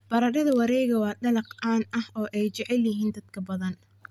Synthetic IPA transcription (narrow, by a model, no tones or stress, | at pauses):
b̥ɐɾɐɾɐðɐwɑɾɛjɣɐwɑːɖɐlɐqʔaːnʔɐhɔːʔɛjt͡ʃɛʕɛljɪɦiːnd̪ɐd̪̥kʰɐbɐðɐn